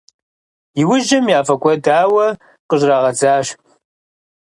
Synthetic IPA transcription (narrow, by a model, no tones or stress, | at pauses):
jɪwʊʒɐmjaːfɐkʷʼɔdaːwɐ | qəʑraːʁɐd͡zaːʃ